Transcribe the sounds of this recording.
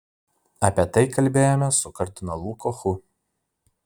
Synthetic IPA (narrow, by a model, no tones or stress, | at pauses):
ɐpʲiɛt̪ɐɪkɐlʲbʲeːjoːmʲɛsʊkɐɾʲt̪ʊnɐlˠuːkoxʊ